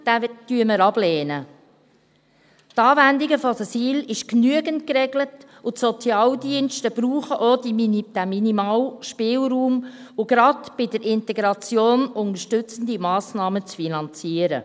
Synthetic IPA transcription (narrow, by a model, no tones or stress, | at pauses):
d̥ætyəməɾɑb̥lɛːnə | tɑːvændɪɡəfɔsɑsiːlɪʃknyəɡəntkɾɛɡlət | ʊtsɔt͡sjɑːldiənʃtəb̥ɾuːχəʔod̥id̥æminimɑːlʃpɪːlruːmʊɡɾɑdb̥ɪdəɾʔɪntɛɡɾɑt͡sjoːnʊŋəʃtʉt͡sən̩d̪imɑːsnɑːmət͡sfinɑnt͡siːəɾə̰